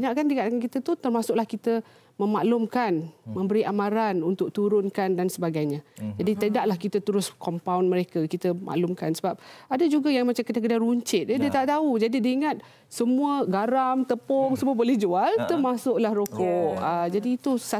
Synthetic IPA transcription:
biɲaʔkandikaʔkankit̪ət̪ut̪ərmasʊʔlahkit̪ə | mə̃maʔlʊmkanmə̃mbəɾiʔamãɾanunt̪ʊk̚t̪uɾʊnkandansəbaɡajɲãd͡ʒadit̪ədaʔlahkit̪ət̪əɾʊskɔmpawnməɾekakit̪əmʔa̰ʔlʊmkansəbap̚adad͡ʒuɡajaŋmat͡ʃamkit̪ak̬ədaruɲt͡ʃɪt̪̚dadiət̪aʔt̪aud͡ʒadidiaiŋat̪̚ | səmũəɡaɾamt̪əpɔŋsəmũəbolɛhd͡ʒualt̪ərmasʊʔlahɾokɔʔəd͡ʒadiːt̪usa

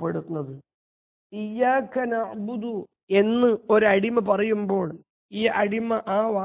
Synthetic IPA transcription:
pːeɽut̪ːunːɐðɨ | ijːaːkːɐnɐʕbud̪u | e̞nːɨo̞ɾɐɽimɐp̬ɐrɐjumbo̞ːɭ | iːʔɐɽimɐʔaːʋaː

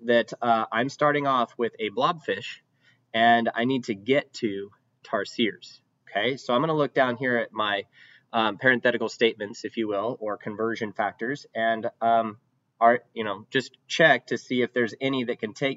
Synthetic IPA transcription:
ðɨɾʌãɪ̃mstɑɹɾɪ̃ŋɔfwɪðɨblɑb̥fɪʃ | ɨ̃na̰ɪnid̚tʰɨɡɛtʰɨ | tʰɑɹsiɹz̥ | oʊkʰeɪsoʊãɪ̃mɡʌnəlʊk̚d̥ãʊ̃nɦiɹɨt̚maɪ | ʔʌpʰɛɹɨ̃nθɛɾɨkl̩ˠsteɪt̚mɨ̃ntsɨfjɨwɪlˠə˞kʰɨ̃ɱvɜ˞ʒɨ̃nfæk̚tə˞zɨ̃nʌ̃m | ɑɹjɨñoʊd͡ʒʌs | t͡ʃʰɛk̚tʰɨsiɨfðə˞zɛniðɨt̚kʰɨ̃ntʰeɪk

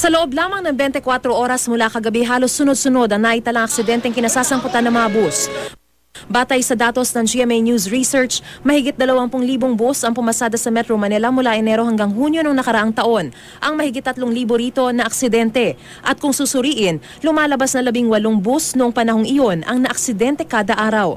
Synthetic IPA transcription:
sɐloʔob̚laːmɐŋnɐŋbɛnt̪ɛkwat̪ɾo̞ʔo̞ːɾɐsmʊlakɐɡɐbiɦaːlo̞sːʊno̞d̪̚sʊno̞d̪ɐŋnaːʔit̪ɐlɐŋɐk̚sɪd̪ɛnt̪ɛŋkɪnɐsaːsɐŋpʊt̪anɐŋmɐŋɐbus | baːt̪ɐjsɐd̪aːt̪o̞snɐŋd͡ʒiɛmɛjnjusɹisɛɹt͡ʃmɐhɪɡɪt̪̚d̪ɐlɐwaŋpʊŋliːboŋbusɐŋpʊmɐsaːd̪ɐsɐmɛt̪ɾomɐnɛlɐmʊlaʔɛnɛɾo̞hɐŋɡaŋhuːnjonoŋnɐkɐɾɐʔaŋt̪ɐʔo̞n | ʔɐŋmɐhɪɡɪt̪ːɐt̪loŋliːboɾiːt̪o̞nɐʔɐksɪd̪ɛnt̪ɛ | ʔɐt̪̚kʊŋsusʊɾiːʔɪn | lʊmaːlɐbasnɐlɐbiŋwɐloŋbusnoʊʔoŋpɐnɐho̞ŋʔɪjo̞nʔɐ̰ŋnɐʔɐk̚sɪd̪ɛnt̪ɛkaːd̪ɐʔaːɾɐw

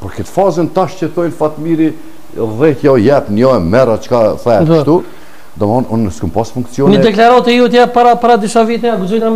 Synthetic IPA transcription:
pɔɾkət̪fazɛnt̪aʃcət̪ɔjnfat̪miɾi | ðɛjɔjɛpnjɔɛmɛɾat͡ʃkaθɛd̪ʃt̪u | d̪ɔmɔnunːəskumpasfuŋk̪siɔnnəd̪ɛklaɾɔt̪ɛjut̪japaɾapaɾad̪iʃavit̪ɛaɡuzɔjt̪am

